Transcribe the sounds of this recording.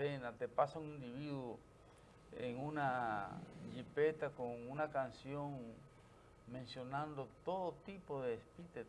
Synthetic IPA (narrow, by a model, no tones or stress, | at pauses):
enat̪epasaŋind̪iβiðu | ḛŋuna | ʎipet̪akoŋunakansjoŋ | mẽnsjonãnd̪ot̪oðot̪ipoðeːspit̪e